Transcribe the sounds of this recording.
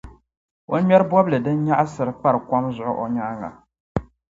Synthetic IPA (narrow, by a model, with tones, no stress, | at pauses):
o˦n˦mɛ˦ɾɨ˦bɔ˦blɨ˨dɨ˦n˦ɲa˦ʔsɨ˨ɾɨ˨k͡pa˦ɾɨ˨kʷɔ˦mzʊ˨ʔʊ˦ʔo˨ɲa˦ŋa̰˨